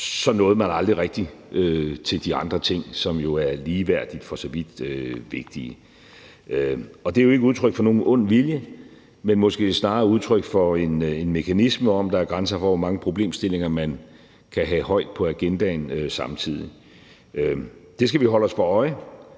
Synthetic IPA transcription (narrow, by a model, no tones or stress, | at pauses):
sɒ̽nːɔ̽ːð̞̩ˠmænɑ̈ld̥ʁiʁɛɡ̥̚d̥iʔøt͡sʰe̝ld̥iɑ̈nd̥ʁɐt͡sʰe̝ŋ̰sɒ̽mjo̝æɐliːʋæɐ̰d̥id̥fɒ̽sɒ̽ʋid̥øʋe̝ɡ̥̚d̥i | øɒ̽d̥e̝æjo̝e̝ɡ̥əuðˠt͡sʰʁœɡ̥fɒ̽no̝ːnʔɔ̽n̰ʋiljə | menmɒ̽sɡ̥e̝̰snɑ̈ːuð̞ˠt͡sʰʁœɡ̥fɒ̽e̝ne̝nme̝kʰænisməɒ̽md̥ɑ̈æɐɡ̥ʁansɐfɒʋɒmɑ̈ŋəpʰʁo̝b̥le̝̰ːmsd̥e̝le̝ŋɐmæn | kʰæɦɛhɒ̽ɪ̰d̥̚pʰɒ̽æɡ̥end̥ænøsɑ̈mt͡sʰið̰ˠi | ød̥e̝sɡ̥æʋiɦɒ̽l̰ɒ̽spɒ̽ɒ̽ɪ